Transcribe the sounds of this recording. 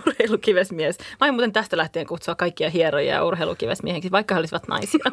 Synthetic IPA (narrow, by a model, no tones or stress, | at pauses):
urheilukiʋesmiesmɑɑjomuːt̪ent̪æst̪ælæht̪ieːŋkut̪suɑkːɑikːiɑɦierɾojɑ̰jɑ̰urheilṵkiʋḛsmieheksiʋɑikːɑheolisiʋɑt̪nɑ̰isiɑ